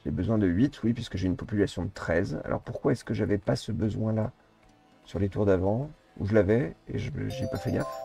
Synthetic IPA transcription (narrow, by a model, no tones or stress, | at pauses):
ebəzwɛ̃d̪əɥit̪ʰwipɥiskəʒeynpɔpylasjɔ̃d̪ət̪χɛza̰lʔɔ̰ʁpuʁkwaɛskəʒavɛpasəbəzwɛ̃la | syʁlet̪uʁd̪avɑ̃ | ṵʒəlavɛḛʒəʒipafɛɡa